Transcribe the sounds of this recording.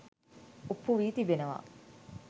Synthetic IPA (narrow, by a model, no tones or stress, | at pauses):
upːuʋiːt̪ibenɐʋa̰